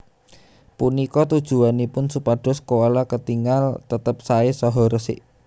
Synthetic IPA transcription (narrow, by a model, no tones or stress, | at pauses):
punikɔt̪ud̥ʒ̥ṳanipʊnsupaɖ̥ɔ̤skowalakət̪iŋalt̪ət̪əp̚saesɔɦɔɾəsɪ̰ʔ